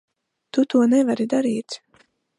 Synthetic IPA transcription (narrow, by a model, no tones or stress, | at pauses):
t̪ut̪uɔnɛvaɾid̪aɾiːt̪